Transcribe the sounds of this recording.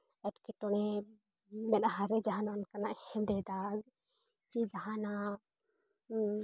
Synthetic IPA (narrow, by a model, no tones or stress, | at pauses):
ɛʈkɛʈɔnɛ | mɛnaɦaɾɛd͡ʒaɦanankanaʔhɛ̃d̪ɛd̪aɡ̚ | t͡ʃid͡ʒaɦana